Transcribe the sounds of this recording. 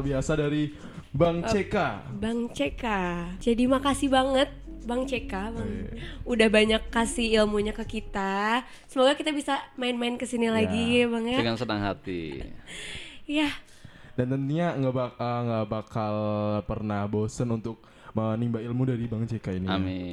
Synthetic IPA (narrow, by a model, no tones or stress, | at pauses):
rbiasadaɾi | baŋt͡ʃekabaŋt͡ʃekad͡ʒadimakasibaŋət̪̚baŋt͡ʃekabaŋudahbaɲakːasiilmuɲakəkit̪a | səmoɡakit̪abisamaɪnmaɪnkəsinilaɡibaŋjaŋaŋsədaŋhat̪ḭ | ja | d̥ant̪ənt̪uɲaŋɡabaəŋɡabakalpərnahbosənunt̪ʊk̚ | ənimbailmudaɾibaŋt͡ʃekainia̰mi